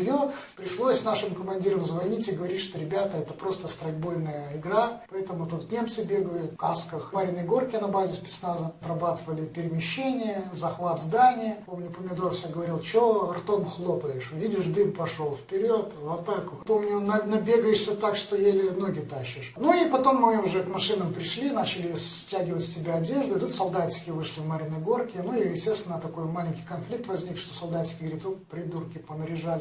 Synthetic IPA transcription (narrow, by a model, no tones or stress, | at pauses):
jopɾʲɪʂlˠosʲsnaʂɨmkəmɐnʲdʲiɾəmzvɐlnʲitʲɪɡəvɐɾʲitʲʂt̪oɾʲɪbʲat̪əɛt̪əpɾo̞st̪əst̪ɾɐd̚ʲbo̞lʲnəjəɪɡɾapɐɛt̪əmʊt̪ut̪nʲe̞mt̪sɨbʲe̞ɡəjʊt̪ka̰skəxmaɾʲɪnəjɡo̞rkʲɪnɐbazʲɪspʲɪ̥snazət̪rɐbat̪ɨvəlʲɪpʲɪɾʲɪmʲɪɕːenʲɪjəzɐxvat̪zd̪anʲɪjəpomnʲʊpəmʲɪd̪orsʲoɡəvɐɾʲilˠt͡ɕoɐrt̪omxlˠopəjɪʂvʲidʲɪʂd̪ɨmpɐʂolˠfʲpʲɪɾʲot̪vot̪ːakpomnʲʊnɐnɐbʲe̞ɡəjɪʂsʲət̪akʂt̪ojelʲɪnoɡʲɪt̪aɕːɪʂnuipɐt̪o̞mːɨʊʐɛkmɐʂɨnəmpɾʲɪʂlʲinat͡ɕɪlʲɪssʲtʲæɡʲɪvətʲsʲsʲɪbʲaɐdʲe̞ʐd̪ʊɪt̪ut̪sɐlˠd̪atʲɪ̥kʲɪvɨʂlʲɪvməɾʲɪnɐɡo̞rkʲɪnuijɪsʲtʲest̪vʲɪnət̪ɐko̞jmalʲɪnʲkʲɪ̥jkɐnflʲik̚t̪vɐzʲnʲikʂt̪osɐlˠd̪atʲɪ̥kʲɪɡəəɾʲit̪opɾʲɪd̪urkʲɪpənəɾʲɪʐalʲɪ